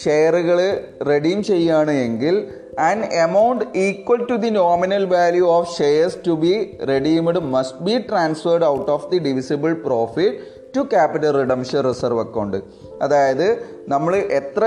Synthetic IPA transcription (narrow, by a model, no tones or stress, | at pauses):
ʂejɐruɣɐɭre̞ɖijmt͡ɕe̞jːaːɳɨeŋɡil | ɐnɐmɐwɳɖiːkwɐlʈud̪inoːminɐlʋaːljuoːfʃejɐrstubireɖiːmɨɽɨmɐsʈ̚biʈraːnsfɐrɖɐwʈːoːfd̪iɖiʋisibɐlproːfiʈː | ukaːpiʈɐlriɖɐmʂɐnrisɐrʋɐkːɐɳɖɨ | ɐðaːjɐðɨ | nɐmːɐɭɨʔet̪rɐ